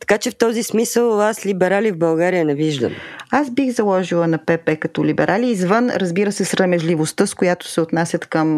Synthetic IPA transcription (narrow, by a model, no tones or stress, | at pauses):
t̪ɐ̥kat͡ʃɛft̪ɔzismisəlˠaslʲibɛɾalivbɐlˠɡaɾijənɛviʒd̪ə̰mazbixzɐlˠɔʒilˠənɐpɛpɛkɐt̪ɔlibɛɾʔaliːzvənɾəzbiɾəsɛsɾɐmɛʒlivost̪əskojat̪o̥sɛot̪nasʲɐt̪kəm